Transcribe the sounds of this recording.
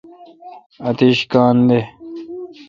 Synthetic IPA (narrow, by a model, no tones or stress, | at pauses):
ɐt̪iɕkaːnd̪e